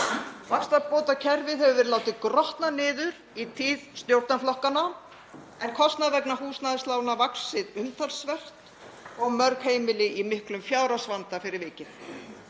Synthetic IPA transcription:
vakst̪apoːwt̪acʰɛɾvɪðɛvʏvɛːɾɪlaːwt̪ɪkɾɔht̪nanɪːðʏɾ | it̪ʰiːðst̪jowɾt̪naflɔhkana | ɛnkʰɔst̪naðvɛknaɦuːsnaːðɪst̪laːwnavaksɪðʏmt̪ʰalsvɛr̥t̪ | ɔɣmœɾkheːjmɪlɪʔimɪhklʏmfjaːwɾasvant̪afɪɾɪɾvɪːcɪθ

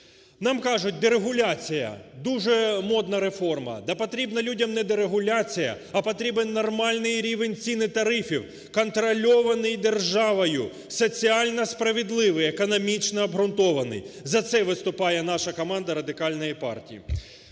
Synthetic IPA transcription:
nɑmkɑʒʊt̚ʲd̪eɾeɦʊlʲat͡sʲijɐ̰d̪uʒɛmɔd̪nɐɾe̞fɔrmɐ̰d̪ɐpɔt̪ɾʲibnɐlʲudʲɐmnɛd̪eɾeɦʊlʲat͡sʲijɐ̰ | ɐpɔt̪ɾʲibenːɔrmɑlʲnɪjɾʲiʋenʲt͡sʲinɪt̪ɐɾɪfʲiw | kɔnt̪ɾɔlʲɔʋɐnɪjd̪erʒɑʋɔjʊ | sɔt͡sʲiɑlʲnɐspɾɐʋʲɪd̪lˠɪʋɪjekɔnɔmʲit͡ʃnɔːbɦɾʊnt̪ɔʋɐnɪ̰jzɐt̪sɛʋɪst̪ʊpɑjɛnɑʃɐkɔmɑnd̪ɐɾɐd̪ɪkɑlʲnɔjipɑ̰rtʲijḭ

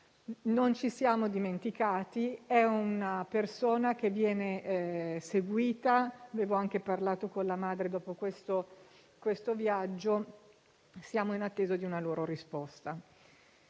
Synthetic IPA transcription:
nont͡ʃisjaːmod̪iment̪ikaːt̪iɛunapersoːnak̟evːjɛːne | seɡwiːt̪aaveːvoaŋkeparlaːt̪okonlamaːd̪ɾed̪ɔːpokwest̪o | kwest̪ovjad͡ʒːo | sjaːmoinat̪ːeːzod̪iunaloːɾoɾispɔst̪a

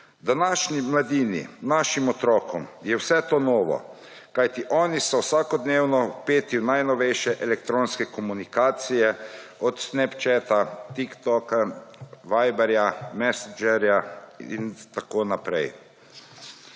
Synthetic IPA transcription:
d̪anaːʃnimlad̪iːnḭnaːʃimɔt̪ɾɔːkɔmjɛwsɛt̪oːnɔːʋɔ̰ | kajt̪iʔɔːnisɔwsakɔd̪neːwnɔpeːt̪iwnajnɔʋɛjʃɛʔɛlɛk̚t̪ɾoːnskɛkɔmunikaːt̪sijɛɔt̪snɛpt͡ʃɛːt̪at̪ikt̪ɔkaʋajbɛɾjamɛsad͡ʒɛɾjaḭnt̪akoːnapɾɛ̰j

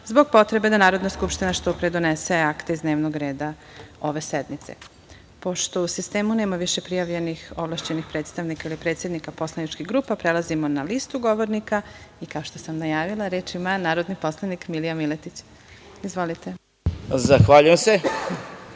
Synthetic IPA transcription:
zbo̞ɡ̚po̞t̪ɾebe̞d̪anaːɾo̞d̪naskupʃt̪inaʃt̪opɾed̪oneseakt̪eizd̪ne̞ːʋnoɡɾeːd̪a | o̞ʋe̞sed̪mit̪se̞̰ | po̞ʃt̪o̞usist̪eːmuneːmaʋiʃe̞pɾijaʋʎe̞nixoʋlˠaʃt͡ɕenixpɾe̞ːt̪st̪aʋnikailipɾet̪sje̞d̪nikapo̞slˠanit͡ʃkiɣɡɾuːpapɾelazimonalist̪uɡo̞ʋoɾnikaikao̞ʃt̪osamnajaːʋilˠaɾeːt͡ʃimanaːɾo̞d̪nipo̞slˠanikmilijamilet̪it͡ɕ | izʋo̞lit̪e | zaxʋaʎujemse

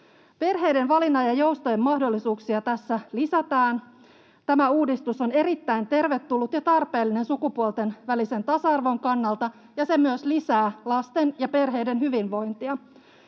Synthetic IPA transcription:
pe̞rɦe̞jde̞nʋɑlinːɑjɑjowst̪ɑjemːɑhdo̞lːisuːksiɑt̪æsːælisæt̪æːn | t̪æmæuːdist̪uso̞ne̞ɾit̪ːæint̪e̞rʋe̞t̪ːulːut̪jɑt̪ɑrpe̞ːlːine̞nsukupuolt̪e̞nʋælise̞nt̪ɑsɑɑrʋo̞ŋkɑnːɑlt̪ɑ | jɑse̞myøslisæːlɑst̪e̞njɑpe̞rɦe̞jde̞nɦyʋinʋo̞jnt̪iɑ

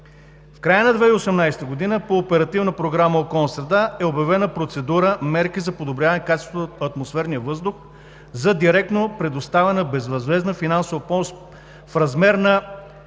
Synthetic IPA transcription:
fkɾajənɐd̪vɛiosɛmnajsɛ̥t̪əɡod̪inəpoːpɛɾɐt̪ivnəpɾoɡɾaməokɔlˠnəsɾɛd̪aɛobjɐvɛnəpɾot̪sɛd̪uɾəmɛɾkizɐpod̪obɾʲavɐənɛkat͡ʃɛst̪oɐt̪mosfɛɾnijəvɤzd̪ʊx | zɐd̪iɾɛk̚t̪nopɾɛd̪ost̪avɛnəbɛzvɐzvɛznəfinansovɐpɔs | fɾɐzmɛɾnɐ

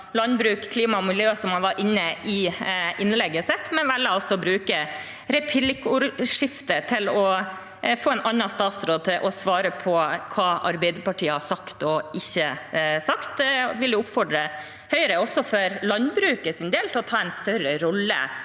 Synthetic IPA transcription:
lɑnbɾʉːkkʰliːmɑmɪljøːsɔmhɑnʋɑɾʔɪnːəʔɪʔɪnlɛɡːəsɛt̪ːmɛnʋælːəɑlsɔbɾʉːkə | ɾɛpʰlɪkːuːɾʂɪft̪ət̪ʰɪlɔ | foːɛnʔɑnːɑst̪ɑːt̪sɾoːd̪̚t̪ʰɪʔɔsʋɑːɾəpʰɔkʰɑːʔɑɾbɛɪd̪əpɑʈʰiːəhɑsɑkt̪ɔɪçːəsɑkt̪̚d̪ɛʋɪljʊʊpfɔɖɾə | hœʏəɾəɔsːɔfɔɾlɑnbɾʉːkəsɪnd̪eːlt̪ʰɪlɔt̪ʰɑːɛnst̪œɾəɾɔlːə̰

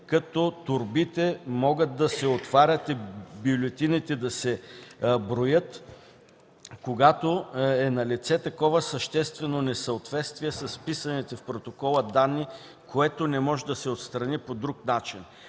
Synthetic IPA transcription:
kɐt̪ɔt̪ʊɾbit̪ɛmɔɡət̪̚d̪ɐsɛot̪vaɾʲət̪ibiolʲɛt̪init̪ɛd̪ɐsɛ | bɾojət̪ | koɡat̪oɛnɐlit̪sɛt̪ɐkɔvəsɐʃt̪ɛst̪vɛnonɛsɐot̪vɛt̪st̪viɛsɐspisɐnɛt̪ɛfpɾot̪okɔlˠəd̪anːi | kʰoɛt̪onɛmɔʒɛd̪ɐsɛot̪st̪ɾɐnipod̪ɾuknat͡ʃin

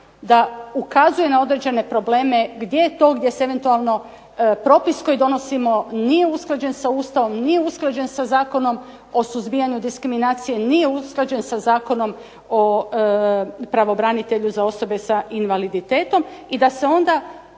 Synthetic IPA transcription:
d̪aukazuje̞nao̞d̪ɾed͡ʑe̞ne̞pɾo̞ble̞ːme̞ɡd̪je̞jet̪o̞ːɡd̪je̞seeʋent̪ualˠno̞ | pɾo̞pisko̞jid̪o̞no̞simo̞nije̞usklˠad͡ʑe̞nsauːst̪aʋo̞mnije̞usklˠad͡ʑe̞nsazaːko̞no̞m | o̞suzbijaɲud̪iskɾiminaːt̪sije̞nije̞usklˠad͡ʒe̞nsazaːko̞no̞m | o | pɾaʋo̞bɾanit̪e̞ʎuzao̞so̞be̞saʔinʋalid̪it̪e̞ːt̪o̞mid̪ase̞o̞nd̪a

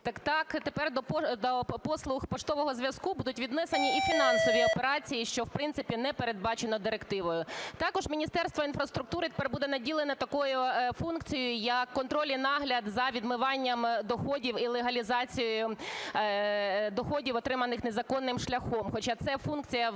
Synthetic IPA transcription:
t̪ɐkt̪ɑkt̪epɛrd̪ɔpd̪ɔpɔslˠʊxpɔt͡ʃt̪ɔʋɔɦɔzʋʲjɐskubud̪ʊtʲʋʲid̪nɛsenʲiifʲinɑnsɔʋʲiɔpeɾɑt͡sʲijiʃt͡ʃɔwpɾɪnsɪpʲinɛpeɾed̪̚bɑt͡ʃenɔd̪ɪɾekt̪ɪʋɔjʊt̪ɑkɔʒmʲinʲist̪ɛrst̪ʋɔinfɾɐst̪ɾʊk̚t̪uɾɪt̪e̥pɛrbud̪ɛnɐdʲilˠenɛt̪ɐkɔjʊfunkt͡sʲijʊjɐkːɔnt̪ɾɔlʲinɑɦlʲɐd̪zɐʋʲid̪mɪʋɑnʲːɐmd̪ɔxɔdʲiwilˠeɦɐlʲizɑt͡sʲijʊjʊ | d̪ɔxɔdʲiwɔt̪ɾɪmɐnɪxnezɐkɔnːɪmʃlʲɐxɔmxɔt͡ʃɑt̪sɛfunkt͡sʲijɐ

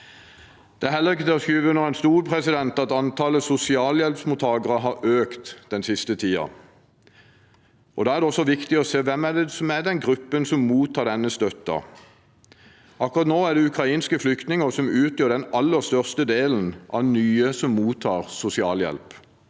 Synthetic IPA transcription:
d̪̥ɛæhɛlːəʁɪk̬ːəd̪ɛɔskiːʋənɔʁɛnst̪uːɾpʰʁɛsɪd̪ɛnt̪ɑt̪ɑnt̪ʰɑləsʊsɪɑːljɛlpsmʊt̪ʰɑːɡəʁəɦɑɾøːkt̪d̪ɛnsɪst̪ət̪ʰiːɑ̰ | ʔɔd̪ɑːæʁdɛɔsːɔʋɪkt̪ɪɔseːʋɛmːæd̪ɛsɔmæd̪ɛnɡʁʉpːənsɔmːuːt̪ʰːɑːɖ̪ɛnːəst̪œt̪ːɑ̰ | ʔɑkːʊʁɑt̪noːæɖ̪ɛʉkʰʁɑiːnskəflʏkt̪nɪŋəʁsɔmʉːt̪jød̪ɛnɑlːəst̪œʁst̪əd̪eːln̩ʔɑ̰ʋnyːəsɔmːuːt̪ʰːɑːʁsʊsɪɑːljɛ̰lp

